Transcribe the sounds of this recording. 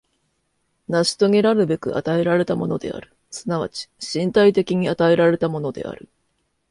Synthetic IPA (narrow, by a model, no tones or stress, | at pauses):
naɕi̥t̪o̞ɡe̞ɾaɾɯ̟be̞kɯ̟ʔa̰t̪ae̞ɾaɾe̞t̪amo̞no̞d̪e̞̰a̰ɾɯ̟̥ | sɨnaβ̞a̰t͡ɕi̥ɕĩnt̪ait̪e̞kʲiɲ̟iat̪ae̞ɾaɾe̞t̪amo̞no̞d̪e̞̰a̰ɾɯ̟